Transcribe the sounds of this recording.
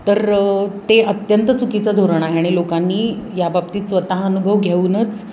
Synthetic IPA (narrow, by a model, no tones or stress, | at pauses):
t̪əɾt̪eʔət̪jənt̪ət͡sukit͡sad̪ʱoɾəɳ̃aɦeaɽ̃ilokanːiːjabab̚t̪iːt̪sʋət̪aɦənubʱəʋɡʱeuːnət͡s